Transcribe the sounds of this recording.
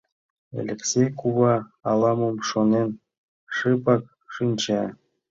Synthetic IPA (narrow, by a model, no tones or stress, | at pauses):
ḛlʲɘ̆ksʲekuβɑɑlˠɑmumʂonʲenʲ | ʂɯpɑk̚ | ʂɯnʲt͡ɕe